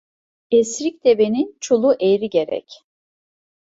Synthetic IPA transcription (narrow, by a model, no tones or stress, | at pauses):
esɾic̚d̪ebenint͡ʃʰolˠuʔejɾiɟe̞ɾɛ̰c